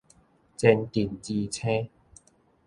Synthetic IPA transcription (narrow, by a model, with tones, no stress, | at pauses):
t͡sɛ˧nt̪i˨˩nt͡ɕi˧t͡sʰẽ˦